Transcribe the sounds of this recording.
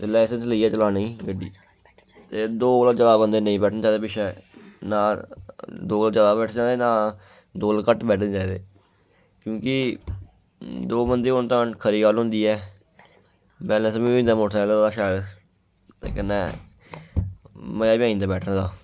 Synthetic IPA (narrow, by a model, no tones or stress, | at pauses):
t̪elɛːɪsənsləiːɛːt͡ʃəlaːneĩːɡəɖḭː | t̪eːd̪oːlat͡ʃəlaːbənd̪eːnəĩːbɛːʈʰnːd͡ʒaːd̪eːpɪʃʰɛːnaː | d̪oːlad͡ʒəd̪aːbɛːʈʰːd͡ʒãːnd̪eːnãː | d̪oːlkəʈbɛːʈʰñːd͡ʒãːd̪ḛː | kjõːkɪ | d̪oːbənd̪eːont̪ãːkʰəɾiːɡalɦʊ̃ːnd̪iːɛː | bɛːlə̃smĩːnd̪aːmoʈʰɛːlːd̪aːʃɛːɾ | t̪ḛːkənːɛː | məaːbjãːĩnd̪aːbɛːʈʰəñːd̪aː